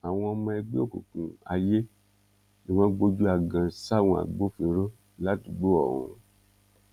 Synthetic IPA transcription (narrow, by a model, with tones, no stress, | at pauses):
a˨w̃ɔ̃˧mɔ̃˧ɛ˧ɡ͡be˦o˦˨ko̰˨kũ˨a˧je˦ | i˦˨w̃ɔ̃˧˦ɡ͡bo˧d͡ʒu˦a˨ɡã˧˦sa˦˨w̃ɔ̃˧a̰˨ɡ͡bo˨˦fe˧˦ɾo˦ | la˨˦ti˨ɡ͡bo˦ɔ˦˨ɾũ˨˧